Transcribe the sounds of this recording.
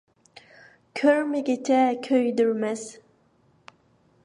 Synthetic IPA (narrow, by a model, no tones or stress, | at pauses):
kʲʰøɾmɪɡʲet͡ʃʰɛkʲʰøjd̪yɾmɛz